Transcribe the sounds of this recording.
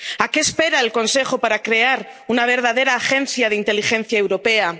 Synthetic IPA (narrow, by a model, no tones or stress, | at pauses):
akeːspe̞ɾaelko̞nse̞xopaɾakɾe̞aɾ | unaβ̞e̞ɾðaðe̞ɾaːxe̞n̟θjað̞eint̪e̞lixẽ̞n̟θjaewɾo̞pe̞a